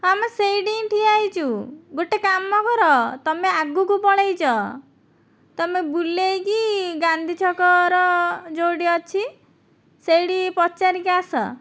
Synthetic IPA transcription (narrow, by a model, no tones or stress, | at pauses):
amesejɖinʈʰiajt͡ʃʰuɡoʈekamːɔkɔɾɔt̪ɔmeaɡukupɔɽ̃ejt͡ʃʰɔ | t̪ɔmebulejkiɡand̪ʱit͡ʃʰɔkɔɾɔd͡ʒoɽiɔt͡ʃʰi | sejɽipɔt͡ʃaɾikasɔ̰